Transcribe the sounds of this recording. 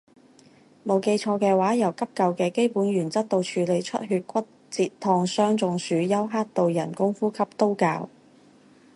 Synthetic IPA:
mo˨˧wke˧jt͡ʃʰɔː˧kɛː˧waː˨˥jɐ˨˩wkɐ˥p̚kɐ˨wkɛː˧ke˥jpuː˨˥nɥyː˨˩nt͡sɐ˥t̚t̪o˧wt͡ʃʰyː˨˧le˨˧jt͡ʃʰɵ̰˥t̚ɦyː˧t̚kʷɐ˥t̚ | t͡siː˧t̚t̪ʰɔː˧ŋsœː˥ŋt͡sʊ˨˧ŋsyː˨˧jɐ˥wɦaː˥t̚t̪o˨wjɐ˨˩nkʊ˥ŋfuː˥kʰɐ˥p̚t̪o˥wka̰ː˧w

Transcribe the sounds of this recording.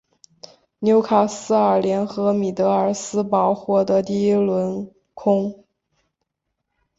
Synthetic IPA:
njo˧˥ʊkʰa˨˩sɹ̩˥ə˞˨˩ljɛ˧˥nxɤ˧˥mi˨˩t̪ɤ˧˥ə˞˨˩sɹ̩˥pɑ˧˥ʊxwɔ˧˥d̪ə˧t̪i˥˧i˥lwə˧˥n | kʰʊ˥ŋ

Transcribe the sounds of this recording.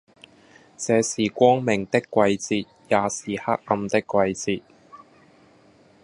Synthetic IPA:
t͡sɛː˨˧siː˨˩kʷɔː˥ŋmɪ˨˩ŋt̪ɪ˥kːʷɐ˧jt͡siː˧t̪̚jaː˨˧siː˨˩ha˥k̚ɐ˧mt̪ɪ˥kːʷwɐ˧jt͡siː˧t̚

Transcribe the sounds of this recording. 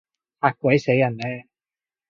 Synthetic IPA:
haː˧t̚kʷɐ˨˥jse˨˥jːɐ˨˩nlɛː˧

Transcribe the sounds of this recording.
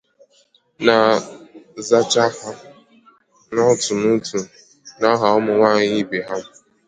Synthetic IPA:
na˨ | za˦t͡ʃa˦ha˦ | nɔ˦˨tu˨mu˦tʰu˨ | na˦ɦa˨ɔ˦mʊ˨ŋʷa˦˨ɲɪ˦be˨ɦa˦m˨

